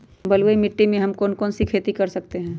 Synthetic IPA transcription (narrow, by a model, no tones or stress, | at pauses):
bɐlwəimɪʈːimẽɦɐmkɔːnkɔːnsikʰeːt̪ikɐɾsɐk̚t̪eɦɛ̃ː